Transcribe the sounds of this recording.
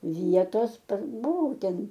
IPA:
ˈʋʲiɛtoːs pɐr bʊˈʋɐʊ ˈtʲɛn

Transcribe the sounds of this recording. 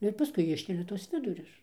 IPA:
ˈnʊ ɪr pɐˈskʊɪ ˈɪʃʲkʲɛlʲɛ tuɔs ˈʋʲɪdʊrʲʊs

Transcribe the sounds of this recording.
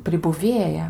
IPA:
pʲrʲɪbʊˈʋʲeːjɛ

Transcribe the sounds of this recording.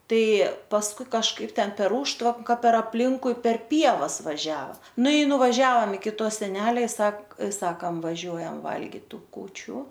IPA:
ˈtɐɪ pɐsˈkʊɪ kɐʃˈkɐɪp ˈtʲɛn pʲɛr ˈuːʃtʋɐŋkɐ pʲɛr ɐpʲˈlʲɪŋkʊɪ pʲɛr ˈpʲiɛʋɐs ʋɐˈʒʲæːʋɐ ˈnʊ ɪ nʊʋɐˈʒʲɛoːm ɪkʲɪ ˈtoː sʲɛˈnʲæːlʲɛ ˈsɐk ˈsɑːkɐm ʋɐˈʒʲuɔjɛm ˈʋɐlʲɡʲɪt ˈtuː kuːˈt͡ʃʲuː

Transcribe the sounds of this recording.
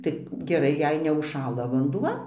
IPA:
tɐɪ ɡʲɛˈrɐɪ jɛɪ nʲɛʊʃˈʃɑːlˠɐ ʋɐndʊˈʋɐ

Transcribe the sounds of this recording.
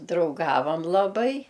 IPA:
drɐʊˈɡɑːʋɐm lˠɐˈbɐɪ

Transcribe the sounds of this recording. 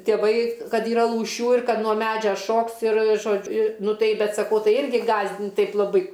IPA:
tʲeːˈʋɐɪ ˈkɐt iːˈrɐ lˠuːˈʃʲuː ɪr ˈkɐt nuɔ ˈmʲæːd͡ʒʲɛ ˈʃoːks ɪr ˈʒoːt͡ʃʲ ɪ ˈnʊ ˈtɐɪ ˈbʲɛt sɐˈkɐʊ ˈtɐɪ ˈɪrʲɡʲɪ ˈɡɑːzʲdʲɪnʲtʲ ˈtɐɪp lˠɐˈbɐɪ

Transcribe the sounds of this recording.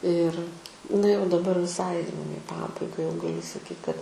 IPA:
ɪr nɐ jɛʊ dɐˈbɐr ʋʲɪˈsɐɪ jɛʊ ɪ ˈpɑːbɐɪɡɐ jɛʊ ɡɐˈlʲʊ sɐˈkʲiːt kɐt

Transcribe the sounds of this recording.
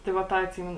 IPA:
ˈtɐɪ ʋɐ ˈtɑː ɐtʲˈsʲiːmʲɛnʊ

